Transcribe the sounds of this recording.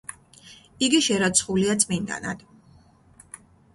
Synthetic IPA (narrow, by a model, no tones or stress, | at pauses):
iɡiʃɛɾat̪sʰχuliat̪sʼmind̪a̰na̰d̪̥